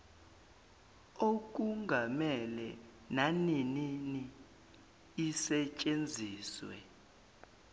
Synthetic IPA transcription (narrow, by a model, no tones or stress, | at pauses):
ok̬ʼuŋɡʱamɛlɛ | naninini | sɛt͡ʃʼend͡zʱiːswɛ̰